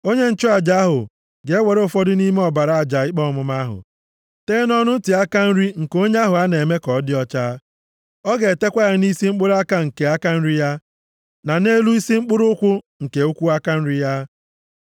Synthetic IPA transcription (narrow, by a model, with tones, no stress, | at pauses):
o˦ɲe˦n̩˦t͡ʃʊ˦a˨d͡ʒa˦a˦ɦʊ̰˨ | ɡe˨e˦we˨ɾe˦ʊ˨fɔ˦dɪ˦ni˦me˦ɔ˨ba˨ɾa˨a˨d͡ʒa˨ɪ˦k͡pɔ˦˨mʊ˨ma˦ɦʊ̰˨ | teː˦nɔ˦nʊ˦n̩˦ti˨a˦ka˦n̩˦ɾi˦ŋ̩˨ko˦ɲe˦a˦ɦʊ˨a˦ne˨me˦kɔ˨˦dɪ˦ɔ˦t͡ʃa˦ | ɔ˦ɡe˨te˦kʷa˦ɪ˨ni˦si˦ŋ͡m̩˦k͡pʊ˦ɾa˦ka˦ŋ̩˨ke˨a˦ka˦n̩˦ɾi˦ja˦ | na˨ne˦lu˦i˦si˦ŋ͡m̩˦k͡pʊ˦ɾʊ˦ʊ˦kʷʊ˦ | ŋ̩˨ke˨u˦kʷu˦a˦ka˦n̩˦ɾi˦ja˦